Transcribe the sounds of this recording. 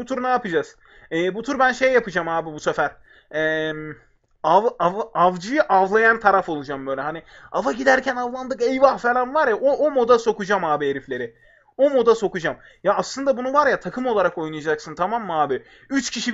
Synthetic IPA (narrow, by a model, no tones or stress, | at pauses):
ut̪ʰuɾnaːapɯd͡ʒaz̥ | ɛːbut̪ʰuɾbænʃe̞jːapʰɯd͡ʒamhaːbibusefæɾ | ɛːm | avavavd͡ʒɯjɯʔavlˠajant̪ʰaɾafo̞lˠud͡ʒambø̞jlʲɛɦani | avaɟid̪æɾcʰænavlˠand̪ɯkejvahfelʲˠanvaɾjaʔoomod̪aso̞kud͡ʒamaːbieɾiflʲe̞ɾɪ | o̞mod̪aso̞kud͡ʒam | jaːslˠɯnd̪abunuvaɾjat̪ʰakʰɯmo̞lˠaɾako̞jnajad͡ʒaksɯnt̪ʰamamːaːbɪ | yt͡ʃcʰiʃi